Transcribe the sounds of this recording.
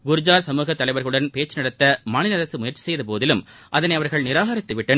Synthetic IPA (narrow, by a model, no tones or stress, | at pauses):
ɡʊɾɯd͡ʒaːɾsɐmuːɣɐt̪ːɐlɐɪʋɐɾɣɐɭɯɽɐnpeːt͡ʃːɯnɐɽɐt̪ːɐmaːnɪlɐɐɾɐsɯmʊjɐɾt͡ʃɪ̥sɛjðɐpoːðɪlɯm | ʔɐðɐnɐɪɐʋɐɾɣɐɭnɪɾaːɣɐɾɪt̪ːɯʋɪʈːɐn